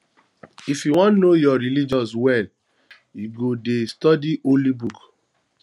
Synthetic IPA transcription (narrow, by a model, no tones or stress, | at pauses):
ifjuwɔ̃nnojɔɾilid͡ʒɔs̬wɛl | iɡodestɔdiʔolibuk